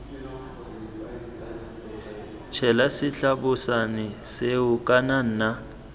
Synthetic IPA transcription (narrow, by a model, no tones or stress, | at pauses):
t͡ʃʰɛlasɪɬabʊsanɪseʊkʼanan̩ːna